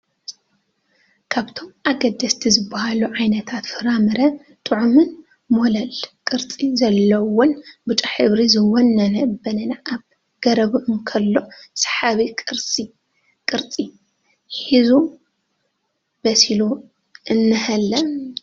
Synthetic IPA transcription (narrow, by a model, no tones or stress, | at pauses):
kʰaβt̪ʰo̞mʔaɡɐd̪ːɐst̪ʰizɨbːahaluʕajnɐt̪ʰat̪fɨɾamɨɾɐ | t̪ʼɨʕumɨn | molɐlkʼɨɾt͡sʼizɐlːɐwʊnbɨt͡ʃʼaħɨβɾizɨwɔnːɐnɐbɐnɐnaʔaβ | ɡ̥ɐɾɐβʔmkʰɐlːo̞sḁħaβikʼɨɾt͡sʼi | kʼɨɾt͡sʼi | ħizu | bɐsilu | ɨnːɨhɐlːɐ